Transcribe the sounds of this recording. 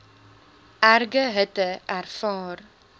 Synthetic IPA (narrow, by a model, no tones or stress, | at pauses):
æɾɡəɦət̪əʔæɾfɑːɾ